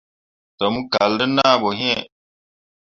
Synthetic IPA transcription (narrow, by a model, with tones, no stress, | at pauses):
tɔ˨mu˦ka˨ldə˦naː˦˨bɔ˨ɦɛ̃˦˨